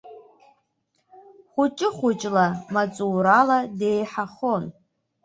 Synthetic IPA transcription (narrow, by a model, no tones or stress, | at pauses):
χʷʊt͡ʃʼɪχʷʊt͡ʃʼlamat͡sʼuːɾalade̞jħaχo̞n